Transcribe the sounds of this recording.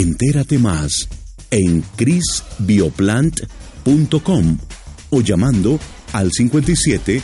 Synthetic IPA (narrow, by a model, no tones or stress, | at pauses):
ent̪e̞ɾat̪e̞mas | e̞ŋkɾisbioplant̪punt̪o̞kom | oʝamãnd̪o̞ | alsiŋkwe̞nt̪̬ajsjet̪e